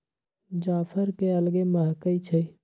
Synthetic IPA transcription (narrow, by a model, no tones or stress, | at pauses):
d͡ʒaːfʰəɾkeɐlɡeməɦkəit͡ʃʰe